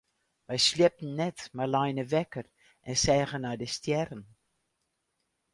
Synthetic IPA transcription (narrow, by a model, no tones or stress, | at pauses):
ʋɛjsliəp̚n̩nːɛtmalajnəvɛkər | ʔɛnsɛːɣənaːdəstjɛrən